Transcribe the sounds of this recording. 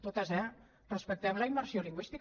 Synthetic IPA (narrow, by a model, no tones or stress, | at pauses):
t̪ot̪azɛ | rəspək̚t̪ɛβlaiməɾsioliŋɡwist̪i